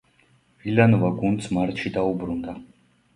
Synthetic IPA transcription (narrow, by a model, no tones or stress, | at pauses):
vilanɔvaɡund̪smaɾt̪ʃid̪aubɾund̪a